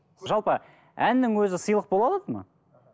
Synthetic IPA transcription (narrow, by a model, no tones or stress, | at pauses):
ʒɑlˠpə | ænːɪŋwɵzɪsəjlˠəq̚bolˠɑlˠɑd̪əmɑ̰